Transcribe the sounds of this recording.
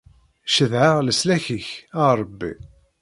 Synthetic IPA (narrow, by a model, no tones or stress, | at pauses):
ʃəðʕaʁləslæçəçəɾˤəbːḭ